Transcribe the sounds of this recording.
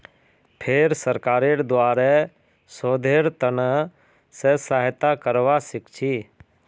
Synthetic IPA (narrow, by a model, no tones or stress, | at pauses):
pʰeɾsəɾkaːɾeɾd̪waːɾɛ | soːd̪ʱeːɾt̪ənə | sesaːɦt̪akəɾʋasɪkt͡ʃʰiː